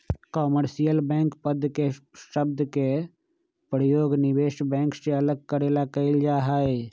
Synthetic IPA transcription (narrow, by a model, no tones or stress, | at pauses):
kɔːməɾsijəlbɛ̃ːŋkpəd̪ʱkeʃəb̚d̪ke | pɾəjoːɡnɪʋeːʃbɛ̃ːŋkseɐləɡ̚kəɾeːlakəɪld͡ʒaːɦae